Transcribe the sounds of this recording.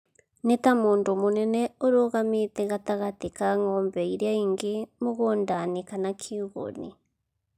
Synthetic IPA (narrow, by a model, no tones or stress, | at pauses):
netamoːndomonɛnɛoɾoɣametɛɣataɣatekaŋɔːmbɛiɾeaiːŋɡemoɣoːndanekanakʰiuɣo̰nḭ